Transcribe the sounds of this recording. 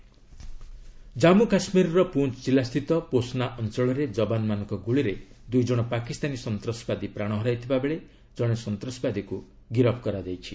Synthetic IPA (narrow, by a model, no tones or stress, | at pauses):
d͡ʒamukasmiɾɔɾɔpunt͡ʃt͡ʃilast̪ʰit̪ɔposnaʔɔnt͡ʃɔɭɔɾed͡ʒɔbanmanɔ̃ŋkɔɡuɭiɾed̪ujd͡ʒɔɽ̃ɔpakist̪anisɔnt̪ɾɔsbad̪ipɾaɽ̃ɔɦɔɾajt̪ʰibabeɭe | d͡ʒɔɽ̃esɔnt̪ɾɔsbad̪iku | ɡiɾɔpʰkɔɾad͡ʒejt͡ʃʰi